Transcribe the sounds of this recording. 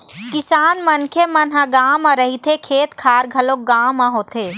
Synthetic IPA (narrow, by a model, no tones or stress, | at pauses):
kɪsaːnmɐnkʰemɐnɦãɡaːmãɾəɦit̪ʰekʰeːt̪kʰaːɾɡʱɐlok̚ɡaːmaɦoːt̪ʰeː